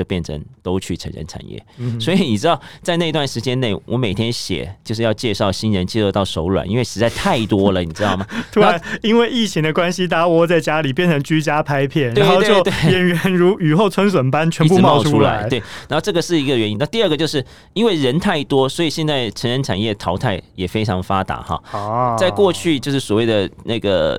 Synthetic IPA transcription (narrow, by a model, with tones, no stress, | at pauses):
ə˧˩pjɛ˥˩nʈ͡ʂʰə̰˧˥ŋt̪o˥ʊt͡ɕʰy˥˩ʈ͡ʂʰə̰˧˥nɻə̰˧˥nʈ͡ʂʰa̰˨˩njɛ̰˥˩swɔ˧˥i˨˧˦ni˨˩ʈ͡ʂɻ̩˥ɑ˥˩ʊt͡sa˥˧ɪna˥˧i˧t̪wa˥˩nʂɻ̩˧˥t͡ɕjɛ˥nne˥˩ɪwʔɔ˧˥me˨˩ɪt̪ʰjɛ˥nɕjɛ̰˨˩˦t͡ɕjo˥˧ʂɻ̩˥˧jɑ˥˧ʊt͡ɕjɛ˥˧ʂɑ˥˩ʊɕi˥nɻə˧˥nt͡ɕjɛ˧˥˧lt̪ɑ˥˩ʊʂo˧˥ʊlwa̰˨˩nʔḭ˥nwe˥˩ʂɻ̩˧˥t͡sa˥˧ɪt̪ʰa˥˩ɪt̪wɔ˥lə˨ni˨˩ʈ͡ʂɻ̩˥t̪ʊm˨˩t̪ʰu˥˧a˧˦ni˥nwe˥˧ɪi˥˩t͡ɕʰi˧˥ŋd̪ə˨˧kwa˥nɕi˥t̪a˧˥wɔ˥t͡sa˥˩ɪt͡ɕja˥li˨˩pjɛ˥˩nʈ͡ʂʰɤ˧˥ŋt͡ɕy˥t͡ɕja˥pʰa˥ɪpʰjɛ˥˩nɻe˦˥˧xo˥˧tt͡ɕjo˥˧ʊt̪we˥˩jɛ˨˩nɥɛ˧˦nɻu˧˥y˨˩xo˥˩ʊt͡sʰə˥nswə˨˩npa˦˥nt͡ɕʰɥɛ˧˥pu˥˧mmɑ˥ʊ˧ʊʈ͡ʂʰu˥la̰˧˥˧tɪt̪we˥˩ɪna˧˥xo˥˧ʊʈ͡ʂɤ˥˩ɡə˩ʂɻ̩˥˩i˧˥ɡə˧˩ɥɛ˧˥ni˦na˥˧t̪i˥˧ə˥˩ɡə˩t͡ɕjo˥˧ʊʂɻ̩˥˩ | i˥nwe˥˩ɪɻə˧˥nt̪ʰa˥˩ɪt̪wɔ˥swɔ˧˥i˨˩ɕjɛ˥˧nt͡sa˥˩ɪʈ͡ʂʰə˧˥nɻə˧nʈ͡ʂʰa̰˨˩njɛ˥˩t̪ʰɑ˧˥ʊt̪ʰa˥˩ɪjɛ˨˩fe˥ɪʈ͡ʂʰɑ˧˥ŋfa˥t̪a̰˧˥xɑ̰˧˩t͡sa˥˧ɪkwɔ˥˧t͡ɕʰy˥˧t͡ɕjo˥˧ʊʂɻ̩˥˩swɔ˨˩we˥˩ɪd̪ə˩na˥˩ɡə̰˩